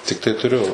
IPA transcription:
tʲɪkˈtɐɪ tʊˈrʲʊ

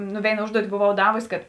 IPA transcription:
ˈnʊ ˈʋʲeːɪnɐ ˈʊʒduɔtʲɪ boːˈʋɐʊ ˈdɑːʋʊsʲɪ kɐt

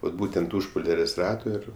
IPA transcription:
ʋɐt ˈbuːtʲɛnt ˈʊʃ poːˈlʲæːrʲeːsʲ ˈrɑːtoː ˈɪr

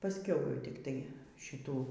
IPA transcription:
pɐsʲˈkʲɛʊ jɛʊ tʲɪkˈtɐɪ ʃʲɪˈtuː

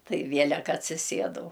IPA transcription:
ˈtɐɪ ˈʋʲiɛlʲɛk ɐtʲsʲɪˈsʲiɛdɐʊ

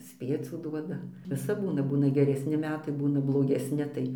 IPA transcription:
ˈsʲpʲiɛt͡sʲuː ˈduɔdɐ ʋʲɪˈsɐp ˈbuːnɐ ˈbuːnɐ ɡʲɛrʲɛsʲnʲɪ ˈmʲæːtɐɪ ˈbuːnɐ blˠoːɡʲɛsʲˈnʲɪ tɐɪ

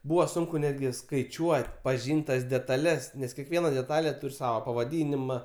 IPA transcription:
ˈbuːʋɐ ˈsʊŋkʊ ˈnʲæːdʲɡʲɪ skɐɪˈt͡ʃʲuɔtʲ pɐˈʒʲiːnʲtʲ tɐs dʲɛtɐˈlʲɛs nʲɛs kʲɛˈkʋʲiɛnɐ dʲɛˈtɑːlʲeː ˈtuːrʲ ˈsɑːʋɐ pɐʋɐˈdʲiːnʲɪmɐ

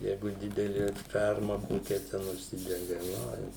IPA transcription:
ˈjɛɪɡʊ ˈdʲɪdʲɛlʲɪ ˈfʲɛrmɐ ˈkoːkʲɛ tʲɛn ʊʃʲˈsʲɪdʲɛɡɐ ˈoːɪ

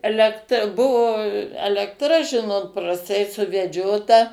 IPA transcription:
ɛlʲɛkˈtrɐ ˈbʊʋoː ɛlʲɛktˈrɐ ˈʒʲɪnoːt prɐsˈtɐɪ sʊʋʲɛˈd͡ʒʲoːtɐ

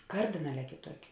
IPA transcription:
ˈkɐrʲdʲɪnɐˌlʲɛː kʲeːˈtuɔkʲɪ

